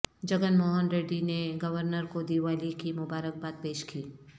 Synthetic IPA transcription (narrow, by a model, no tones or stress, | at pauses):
d͡ʒɐɡənmoːɦənɾeːɖineɡɐʋəɾnəɾkod̪iːʋaːlikimʊbaːɾək̚baːt̪̚peːʃkiː